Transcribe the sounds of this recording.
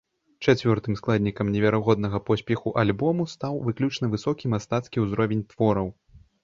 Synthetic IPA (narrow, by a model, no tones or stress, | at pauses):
t͡ʂat͡sʲvʲɔrt̪ɨmsklˠad̪ʲnʲikɐmnʲɛvʲaɾaɣɔd̪̚nɐɣɐpɔsʲpʲɛxuʔalʲbɔmust̪awvɨklʲut͡ʂnɨvɨsɔkʲimast̪at̪skʲiwzɾɔvʲenʲt̪vɔɾɐw